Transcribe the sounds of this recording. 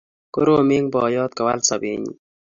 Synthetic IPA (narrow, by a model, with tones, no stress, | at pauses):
ko˦ɾo˦mɪ˦ŋbɔ˨jɔ˦t̪̚ka˨wa˦lsa˨bḭ˨ɲḭ˨